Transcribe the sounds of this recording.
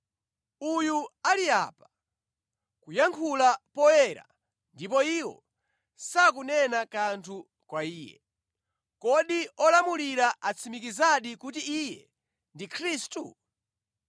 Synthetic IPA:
ujualia̰ːpḁ | kujaŋkʰulapɔɛɾa̰ | ndipɔiwɔ̰ | sak̬unɛnakantʰu | kwaiːjɛ̰ | kɔɗiɔlamuliɾaʔat͡sʰimikizaɗikut̬iijɛ̰ | ndikʰɾistṵ

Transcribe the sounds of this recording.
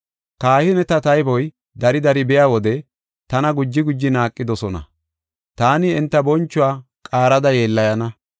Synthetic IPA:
kaːhɪnɛt̪ɐt̪ɐjbɔj | d̪ɐɾɪd̪ɐɾɪbɛjaːwɔd̪ɛ | t̪ɐnɐɡʊd͡ʒːɪɡʊd͡ʒːɪnaːkʼːɪd̪ɔsɔnɐ̰ | t̪aːnɪɛnt̪ːɐbɔnt͡ʃːʊwaː | kʼaːɾɐd̪ɐje̞ːlːɐjɐnɐ

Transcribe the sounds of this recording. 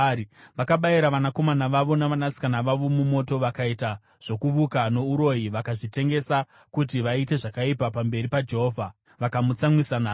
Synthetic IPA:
ʋakaɓaiɾaʋanako̞manaʋaʋo̞naʋanasi̥kanaʋaʋo̞mumo̞to̞ʋakaita | ʐ̥o̞kuʋukano̞uɾo̞iʋakaʐite̞ŋɡe̞sa | kutiʋaite̞ʐakaipapambe̞ɾipad͡ʒe̞ɦoːvʱa | ʋakamut͡samwisanaː

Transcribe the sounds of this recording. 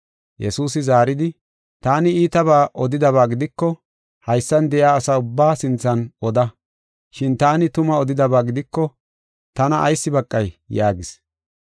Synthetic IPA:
jɛsuːs̬ɪzaːɾɪd̪ɪ | t̪aːnɪiːt̪ɐβaːʔɔd̪ɪd̪ɐβaːɡɪd̪ɪkːɔ | hɐjsːɐnd̪ɛjaːsaːʊbːaːsɪnt͡sːɐnɔd̪ɐ | ʃɪnt̪aːnɪt̪ʊmɐɔd̪ɪd̪ɐbaːɡɪd̪ɪkːɔ | t̪ɐnɐʔːjsːɪbɐkʼːɐjjaːɡɪs

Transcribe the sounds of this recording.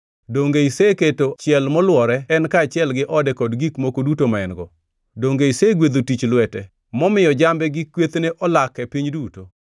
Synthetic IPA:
doŋɡeiseketot͡ʃɪɛlmɔlwɔɾɛɛnkaːt͡ʃɪɛlɡɪʔɔdɛkɔdɡikmokodutomaɛnɡɔ | doŋɡeiseɡwed̪otit͡ʃlwɛtɛ | mɔmɪjɔd͡ʒambɛɡikːwet̪neʔɔlakɛpiɲduto

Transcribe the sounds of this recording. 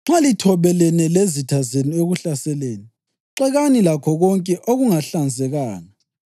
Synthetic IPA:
ŋ͡ǁalitʰɔβɛlɛnɛlezitʰazenieɣuɬasɛleːni | ǁɛɣanilakʰɔɣɔŋkʼɛʔoɣuŋaɬand͡zʱɛɣaːna

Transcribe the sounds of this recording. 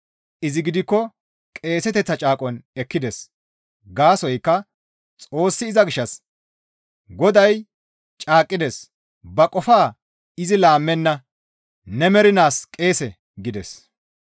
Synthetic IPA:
ʔɪzɪɡɪd̪ɪkːɔ | kʼe̞ːsɛt̪ɛt͡sːɐt͡ʃʼaːkʼɔnɛkːɪd̪ɛs | ɡaːsɔjkːɐ | t͡sʼo̞ːsːɪːzɐɡɪʃːɐs | ɡɔd̪ɐj | t͡ʃʼaːkʼːɪd̪ɛs | bɐkʼɔfaː | ɪzɪlaːmːɛnːɐ | nɛmɛɾɪnaːskʼe̞ːsɛ | ɡɪd̪ɛs

